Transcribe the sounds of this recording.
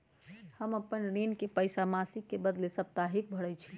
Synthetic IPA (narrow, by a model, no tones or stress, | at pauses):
həməpːənɾenkepəjsamasikːebəd̪lesəp̚t̪aɦik̚bʱəɽət͡ʃʰi̥